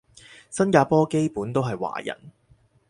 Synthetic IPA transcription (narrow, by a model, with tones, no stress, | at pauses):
sɐ˥nkaː˧pɔː˥ke˥jpuː˨˥nt̪o˥wɦɐ˨jwa̰ː˨˩jɐ̰˨˩n